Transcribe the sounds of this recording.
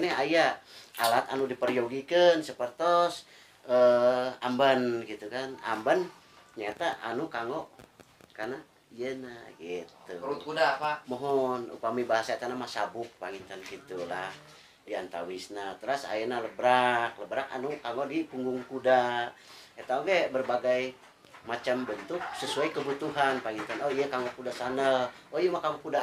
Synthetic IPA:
nɛɦajaalat̪anudipərjoɡikənsəpərt̪ɔs | əa̰mbənɡit̪ukana̰mbən | ɲat̪aʔa̰nukaŋɡɔʔ | karna | ijənaɡit̪uut̪̚kudaamɔɦɔnṵpamibaɦasaet̪anamasabʊk̚paŋint̪anɡit̪ulah | diant̪a̰wisnat̪əɾasa̰jənaləbɾakləbɾaka̰nukaŋodipuŋɡʊŋkuda | et̪aoɡebərbaɡaj | mat͡ʃambənt̪ʊk̚səsuaikəbut̪uɦanpaŋint̪anoijəkaŋokudasanəloiəmakaŋukuda

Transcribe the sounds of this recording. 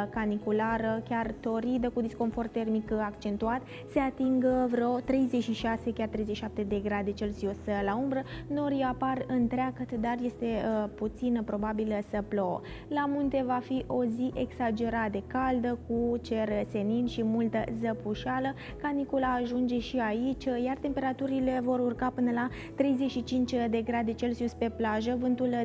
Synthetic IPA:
kanikulaɾəkʲart̪o̞ɾid̪əkud̪isko̞nfort̪e̞rmikakt͡ʃe̞nt̪uat̪ | se̞at̪iŋɡvɾeot̪ɾe̞jzeʃiʃase̞kʲart̪ɾe̞jzeʃiʃap̚t̪e̞d̪e̞ɡɾad̪e̞t͡ʃe̞lzioslaumbɾəno̞ɾjaparɨnt̪ɾeakət̪d̪arje̞st̪e̞put̪sinəpɾo̞babilsəplo̞wə̰ | lamunt̪e̞vafiʔo̞ziʔe̞ɡsad͡ʒe̞ɾat̪d̪e̞kald̪əkut͡ʃe̞rse̞ninʲʃimult̪əzəpuʃialə | kanikolaːʒund͡ʒe̞ʃiait͡ʃʲjart̪e̞mpe̞ɾat̪uɾile̞vo̞ɾurkapɨnəla | t̪ɾe̞jzeʃit͡ʃint͡ʃʲd̪e̞ɡɾad̪e̞t͡ʃe̞lsiuspe̞plaʒəvɨnt̪ul

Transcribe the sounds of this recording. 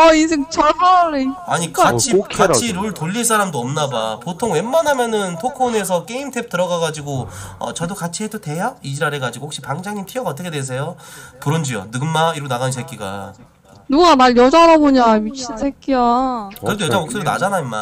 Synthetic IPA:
ʌins̬ʰeŋt͡ɕʌɭmaɾeaɲikat͡ɕʰikat͡ɕʰiɾoɭtoʎːiɭs͈ʰaɾamdoʌmnabapotʰoŋwe̞mːanɦamjʌnɯntʰokʰone̞s̬ʰʌk͈e̞imtʰe̞p̚t͈ɯɾʌɡaɡad͡ʑiɡoʌ̰t͡ɕʌdokat͡ɕʰiɦedote̞jaid͡ʑiɾaɾe̞ɡad͡ʑiɡohokɕ͈ipaŋd͡ʑaŋɲimtʰiʌɡaʌt̬͈ʌkʰe̞dwes̬ʰe̞jopuɾond͡ʑijo̰nɯɡɯnmaiɾɡonaɡansʰek͈iɡa̰ | nuɡamaɭjʌd͡ʑaɾaboɲamit͡ɕʰinsʰekk͈iaɯɾedʰojʌd͡ʑamok̚s͈ɯɾona̰d͡ʑanaima̰

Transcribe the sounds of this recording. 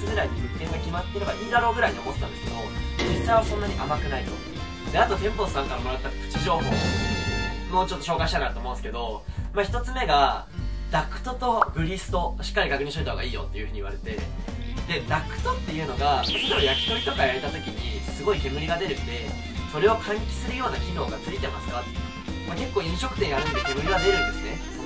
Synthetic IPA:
t͡sɨɡɯ̟ɾaiɲiɯ̟kːẽ̞ŋɡakʲimat̪ːeɾebaʔʲid̪aɾo̞ːɡɯ̟ɾaiɲʲiokot̪t̪ãnd̪eɨ̥ke̞d̪o̞d͡ʑisaiβasõ̞nːaɲ̟iʔamakɯ̟nait̪o̞ | d̪̥e̞at̪o̞t̪ẽ̞mpo̞sɨ̥sãŋkaɾamo̞ɾat̪ːakkɯ̟̥t͡ɕiʑo̞ːhoː | moːt͡ɕo̞t̪ːo̞ɕo̞ːɡaɕit̪anaɾɯ̟t̪omõːnsɨ̥ke̞d̪o̞maçi̥t̪o̞t͡sɨme̞ɡa | d̪akɯ̟̥t̪o̞t̪o̞ɡɯ̟ɾʲisɨ̥t̪o̞ɕi̥kːaɾʲiɡakɯ̟ɲ̟ĩɕt̪oit̪ːaɦoɡaiːjo̞̰t̪ːe̞jɯ̟ɯ̟ɲ̟iβaɾe̞t̪e̞ | d̪e̞d̪akɯ̟̥t̪o̞t̪ːe̞jɯ̟ːno̞ɡasid̪eojakʲi̥t̪o̞ɾit̪o̞kajaɾe̞t̪at̪o̞kʲiɲ̟isɨɡo̞ike̞ɡɯ̟ɾʲiɡad̪e̞ɾɯ̟d̪e̞ | so̞ɾe̞o̞kʰãŋkʲi̥sɨɾɯ̟jo̞ːnakʲino̞ːɡat͡sɨɾʲit̪e̞masɨ̥kat̪ | make̞kːo̞ːĩɰ̃ɕo̞kɯ̟̥t̪ẽ̞ŋɡaɾɯnd̪eke̞ɡɯ̟ɾʲiɡad̪e̞ɾɯ̟̃nd̪e̞sɨne

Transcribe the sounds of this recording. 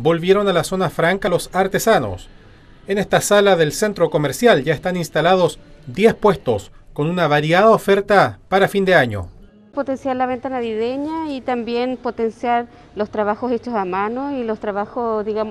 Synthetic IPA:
bo̞lβje̞ɾo̞nalaso̞nafɾaŋkalo̞saɾt̪e̞sano̞̰s | ene̞st̪asalaðe̞lse̞nt̪ɾo̞ko̞meɾsjalʝaest̪aninst̪alað̞osd̪je̞spwe̞st̪o̞sko̞nunaβaɾjaðaofe̞ɾt̪apaɾafind̪eaɲo̰ | pot̪ensjaɾlaβe̞nt̪anaβiðeɲait̪ambje̞npot̪ensjaɾ | lost̪ɾaβaxoset͡ʃosamanoilost̪ɾaβaxoðiɣam

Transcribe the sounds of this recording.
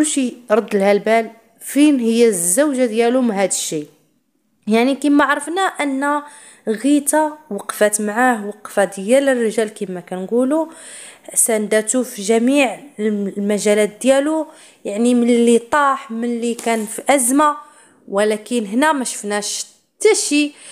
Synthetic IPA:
lʃiɾˤɑd̪ːəlhælbæl | finhəjːæzːəwʒad̪jælumnɦhæd̪əʃːi | jaʕnikimaʕɾˤəfnæʔənːæ | ɣit̪awɑqfæt̪mʕahwɑqfad̪jælərːəʒælkimːækænɡulu | sænd̪æt̪ufiʒæmiʕlmæʒælæt̪̚d̪jælu | jaʕnimənlit̪ˤɑħmənlikænfiʔæzma | wəlækənɦnæmæʃə̥fnæʃ | t̪ːæʃi

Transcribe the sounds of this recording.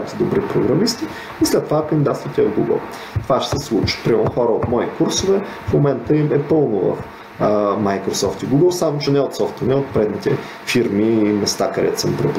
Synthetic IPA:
t̪ɛd̪obɾipɾoɡɾɐmist̪iː | slɛt̪ːovakənd̪ʲid̪at̪st̪vət̪ʲiɡuɡə̰lˠ | t̪ovaʃsɛslˠut͡ʃi̥pɾimɛlˠnoxɔɾəot̪mɔikuɾsovɛ | fmomɛnt̪əimɛpɤlˠnʊvɐ̰f | majkɾosɔft̪iɡuɡəlˠsamot͡ʃɛnɛot̪sɔft̪ənɛot̪̚pɾɛd̪nit̪ɛ | fiɾmiːmɛst̪akɐd̪ɛ̰t̪səmpɾɛp

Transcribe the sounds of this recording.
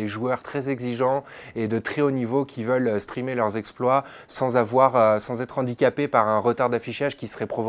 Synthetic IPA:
eʒuœʁt̪χɛzɛɡziʒɑ̃ed̪ət̪χɛonivokʲʰivœlst̪χimelœʁzɛksplwa | sɑ̃zavwaʁøsɑ̃zɛt̪χɑ̃d̪ikʲapepaʁɛ̃ʁət̪aʁd̪afiʃaʒkʲisə̥ʁɛpχɔv

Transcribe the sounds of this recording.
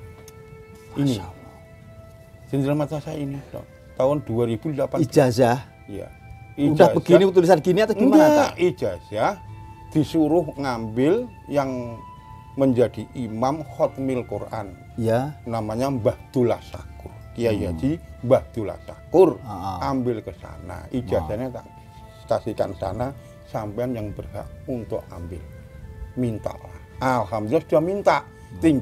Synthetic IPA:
ini | d͡ʒ̥əɲd͡ʒamat͡ʃ̪asainit̪ɔ̰ | t̪aʊnd̥uaɾib̥udəlapaid͡ʒasah | ija̰iud͡ʒdahbəɡinikət̪̬ulisankiniat̪aimaʔi̥d͡ʒ̥asahd̪̥i̤suɾʊhŋambɪl | jaŋ | məɲd͡ʒad̥iʔimamhɔt̪mɪlkṵra̰n | anamaɲambahd̪̥ula̰hsa̰kʊrjad͡ʒad̪imbahd̪̥ula̰sakʊrʔambɪlkəsa̰na̰ʔid͡ʒasanɲat̪a̰ʔ | st̪asikansa̰na | sampɛanjaŋbərha̰ʔunt̪ʊ̰ʔa̰mbɪ̰lmint̪a̰ʔla̰hʔalɦamd̪ilasud̥ahmint̪aʔ | t̪iŋ

